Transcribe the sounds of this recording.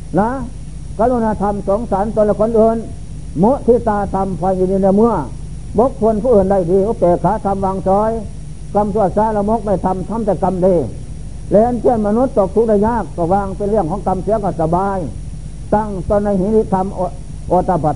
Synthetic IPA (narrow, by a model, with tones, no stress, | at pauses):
la˧˥ | ka˧lu˧˨naː˧t̪ʰa˧msɔː˨˦ŋsaː˨˦nt̪la˧kʰo˧˥˨nʔɤː˧˨n | mo˦˥ʔt̪ʰiː˧˨t̪aː˧t̪ʰa˧mpʰɔː˧jiː˧diː˧˨na˧˨mɯ˧ə | bo˦k̚pʰo˧˨npʰuː˧˨ɤː˧˩nda˧˩˨jdiː˧ʔu˧˥p̪ɛː˨˩kʰaː˨˦t̪ʰa˧mʋaː˧ŋsɔː˧˥j | ka˧msu˧˩ət̪̚saː˧˨la˧mo˦k̚ma˧˩jt̪ʰa˧˨mt̪ʰa˧˥˨mt̪ɛ˧˩ka˧mde˧˩ | lɛ˧ʔnkʰe˧˩˨nma˧nu˧˦t̪̚ːɔː˨˩k̚t̪ʰu˧˦k̚da˧˩jɲaː˧˥˩kːɔ˧˩waː˧ŋpe˧˨nlɯ˧˩əŋkʰɔː˨˦ŋka˧msi˨˦ɐkɔ˧˩sa˧baː˧j | t̪a˧˩˨ŋt̪ɔː˧˨nːa˧˩˨hiː˧˦t̪i˧t̪ʰa˧mʔ | ʔoː˧t̪a˧pʰa˨˧˩t̪̚